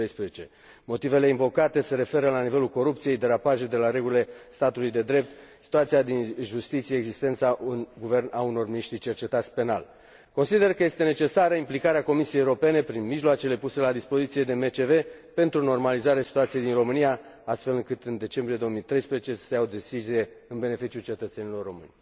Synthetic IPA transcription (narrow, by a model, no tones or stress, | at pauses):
ejspɾezet͡ʃe̞ | mo̞t̪ive̞le̞iɱvo̞kat̪e̞se̞ɾe̞fe̞ɾəlanive̞lulko̞ɾup̚t̪sije̞jd̪e̞ɾapaʒed̪e̞laɾe̞ɡulile̞st̪at̪ulujd̪e̞d̪ɾe̞p̚t̪si̥t̪uat̪siad̪inʒust̪it̪sieːɡzist̪e̞nt̪saʔunɡuve̞rnauno̞rminiʃt̪ɾit͡ʃe̞rt͡ʃe̞t̪at̪sʲpe̞na̰l | ko̞nsid̪e̞rkəje̞st̪e̞ne̞t͡ʃe̞saɾəimplikaɾeako̞misijejewɾo̞pe̞ne̞pɾinmiʒloat͡ʃe̞le̞puse̞lad̪ispo̞zit̪sije̞d̪e̞met͡ʃe̞ve̞pe̞nt̪ɾuno̞rmalizaɾeasi̥t̪uat̪sije̞jd̪inro̞mɨnijaast̪fe̞lɨŋkɨt̪ɨnd̪e̞t͡ʃe̞mbɾijed̪ooəmit̪ɾe̞jspɾezet͡ʃe̞̥seawd̪e̞size̞ | ɨnbe̞ne̞fit͡ʃjult͡ʃe̞t̪ət̪senilo̞rːo̞mɨ̰nʲ